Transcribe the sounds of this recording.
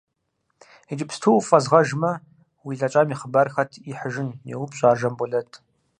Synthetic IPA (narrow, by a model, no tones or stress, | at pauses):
ed͡ʒʼɪpstʰuwfʼɐzʁɐʒmɐ | wiɮɐt͡ʃʼaːmiχəbɐrxɐtʰiħəʒɪnjɛ̰wʊpɕʼaːʒɐmbɔɮɐtʰ